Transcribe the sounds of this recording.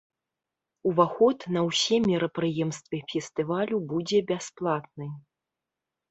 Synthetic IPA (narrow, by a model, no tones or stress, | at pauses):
uvaxɔt̪nɐwsʲɛmʲɛɾɐpɾɨjɛmst̪vʲɛfʲɛst̪ɨvalʲubud͡zʲɛbʲasplˠat̪̚nɨ